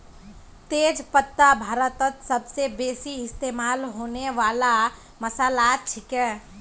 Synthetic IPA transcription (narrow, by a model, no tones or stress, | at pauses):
t̪eːd͡ʒpət̪ːabʱaːɾət̪ət̪səbsebeːsiɪst̪eːmaːlɦoːneʋaːla | məsaːlat͡ʃʰɪkɛ̃ː